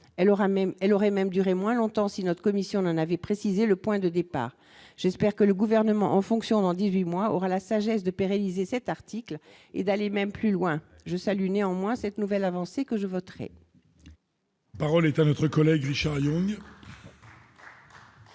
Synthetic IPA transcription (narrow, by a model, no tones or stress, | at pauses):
ʁaɛlɔʁɛmɛmd̪yʁemwɛ̃lɔ̃t̪ɑ̃sinɔt̪χə̥kɔmisjɔ̃nɑ̃navɛpχesizeləpwɛ̃d̪əd̪epa̰ːʁ | ʒ̥ɛspɛʁkələɡuvɛʁnəmɑ̰̃ʔɑ̃fɔ̃ksjɔ̃d̪ɑ̃d̪izɥimwaɔʁalasaʒɛsd̪əpeʁenizesɛt̪aʁt̪ʰikl | ḛd̪alemɛmplylwɛ̃ | ʒəsalyneɑ̃mwɛ̃sɛt̪nuvɛlavɑ̃sekəʒəvɔt̪ʁɛ̰ | paʁɔlɛt̪anɔt̪χəkɔlɛɡʁiʃaʁjɔ̃ŋ